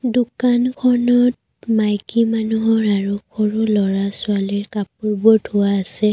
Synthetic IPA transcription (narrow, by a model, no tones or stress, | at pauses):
dukankʰɔnɔt̚ | majkimanuɦɔɹaɹukʰoɹulɔɹasʊaliɹkap̚uɹbɔdʱʊaːsɛ